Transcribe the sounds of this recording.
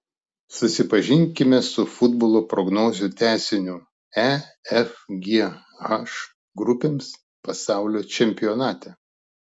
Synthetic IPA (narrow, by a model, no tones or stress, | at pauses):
sʊsʲɪpɐʒʲɪŋʲkʲɪmʲɛsʊfʊd̪boːlˠoːpɾɔɡnoːzʲʊt̪ʲæːsʲɪnʲʊ | æɛfɡʲe | ɐʃ | ɡɾʊpʲeːms | pɐsɑˑʊlʲoːt͡ʃʲɛmʲpʲɪjɔnɑːt̪ʲɛ